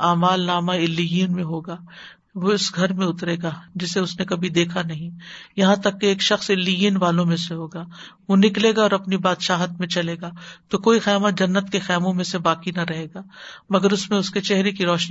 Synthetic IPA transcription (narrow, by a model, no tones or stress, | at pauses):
aːmaːlnaːmaɪlːijinmẽɦoːɡaː | ʋoɪsɡʱɐɾmẽʊt̪ɾeːɡaːd͡ʒɪseʊsnekɐbʱid̪eːkʰanɐɦĩːjɐɦãt̪ɐkːeeːkʃɐxsɪlːijinʋaːlõmẽseɦoːɡaːʋonɪkleːɡaɔːɾɐpnibaːd̪ʃaːɦət̪mẽt͡ʃɐleːɡaːt̪okoːixɐjaːmət̪̚d͡ʒɐnːət̪kexɛːmõmẽsebaːkinɐɾɐɦeːɡaːmɐɡəɾʊsmẽʊsket͡ʃɛɦɾekiɾɔːʃni